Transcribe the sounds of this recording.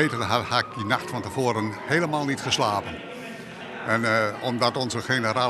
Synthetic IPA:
etənɦhaɪk̚dinaxtfɔntəvoːɾənheːləmaːlˠnitχəslaːpən | ɛnɔmdɑtɔnzəxenəɾaː

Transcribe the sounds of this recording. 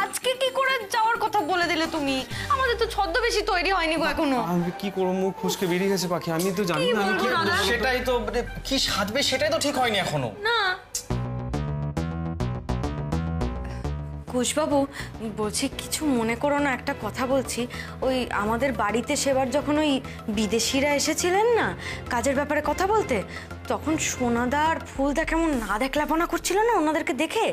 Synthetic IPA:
ad͡ʑkekikoɾed͡ʑaoaɾkɔt̪ʰaboled̪ilet̪umiamad̪eɾt̪ot͡ɕʰɔd̪ːobeʃit̪ojɾiɦɔeniboɛkʰonoakikoɾomukkʰuʃkebiɾiɦet͡ɕʰepakʰiamit̪̬od͡ʑaniibaolkiaʃeʈajt̪oekiʃat̪beʃeʈajt̪oʈʰikɦɔeniɛkʰono̰na | kuʃbabubolt͡ɕʰiki̥t͡ɕʰumonekoɾonaɛkʈakɔt̪ʰabolt͡ɕʰi | oja̰mad̪eɾbaɽit̪eʃeβaɾd͡ʑɔkʰonoj | bid̪eʃiɾaeʃet͡ɕʰilenːakad͡ʑeɾbɛpaɾekɔt̪ʰabolt̪e | t̪ɔkʰonʃonad̪aɾfʰuld̪akɛmonːad̪ɛkʰlaponakoɾt͡ɕʰilonaonad̪eɾked̪ekʰe

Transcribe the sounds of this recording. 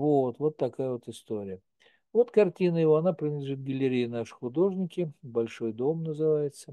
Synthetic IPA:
vo̞t̪vo̞t̪ːɐkajəvo̞t̪ɨst̪oɾʲɪjə | vo̞t̪kɐrtʲinəjɪvoɐnapɾʲɪnəd̪lʲɪʐɨt̪̚ɡəlʲɪɾʲijɪnaʂɨ̥xʊd̪o̞ʐnʲɪkʲɪbɐlʲʂo̞jd̪o̞mnəzɨvajɪt̪sə

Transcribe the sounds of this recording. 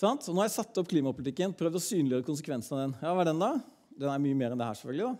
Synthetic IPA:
sɑnt̪ɔnoːɑɾjæsɑt̪ːɔp̚ːkʰliːmɑpʊlɪt̪ɪkːənpʰɾœʋd̪ɔsyːnlɪjøːɾəkʊnsəkʰʋɛnsənɑʋd̪ɛnjɑːʋɑːɖd̪ɛnd̪ɑ | d̪ɛnæɾmyːəmeːɾɛnd̪ɛhæ̰ːʂɛfœɡ̪lɪd̪ɑ

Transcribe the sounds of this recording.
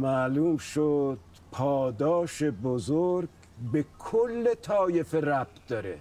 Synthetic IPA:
mæluːmʃod̪̥ | pʰɒːd̪ɒːʃe̞bozoɾɡ | be̞kʰolːet̪ʰɒːjefeɾæb̚d̪̥ɒɾḛ

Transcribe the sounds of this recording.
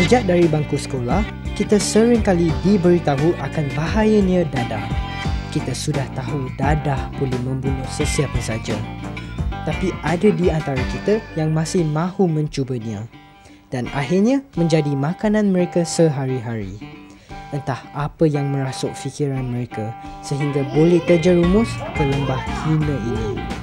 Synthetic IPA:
səd͡ʒaʔ̚daɾibaŋkusə̥kolah | kit̪əsəɾɪŋkalidibəɾit̪aɦuʔakanbaɦajəɲə̃dadah | kit̪əsudaht̪aɦudadahpuluhmə̃mbunuhsəsiapəsad͡ʒa | t̪apiʔadədiant̪aɾakit̪əjaŋmãsɪhmãhumə̃ɲt͡ʃubəɲĩə̃ | d̥anaɦirɲãmə̃ɲd͡ʒadimãkanãnmə̃ɾekasəɦaɾiɦaɾḭ | ʔənt̪ahapəjaŋmə̃ɾasʊʔ̚fikiɾanmə̃ɾekasəɦiŋɡabolɛht̪əd͡ʒəɾumʊskələmbahkʰinə̃inĩ

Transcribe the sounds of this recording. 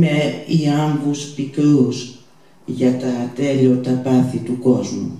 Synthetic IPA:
meiambuspikəs | jatat̪eʎotapaθit̪ukozmṵ

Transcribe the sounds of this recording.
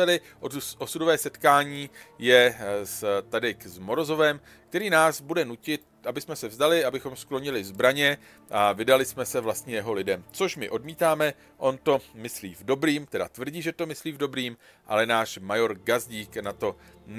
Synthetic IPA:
ɛlɪ | ʔoʔosudovɛːsɛt̪kaːɲiːjɛst̪adɪkzmo̞ɾo̞zo̞vɛm | k̚t̪ɛɾiːnaːzbudɛnucɪt̪ | ʔabɪsmɛsɛvzdalɪabɪxo̞msklo̞ɲɪlɪzbɾaɲɛ | ʔavɪdalɪsmɛsɛvlast̪ɲɛjɛɦo̞lɪdɛmt͡so̞ʃmɪʔo̞dmiːt̪aːmɛ | ʔo̞nt̪o̞mɪslḭːvdo̞bɾiːmt̪ɛda̰t̪vr̩ɟiːʒɛt̪o̞mɪsliːvdo̞bɾiːm | ʔa̰lɛnaːʃmajo̞ɾɡazɟiːknat̪o̞n

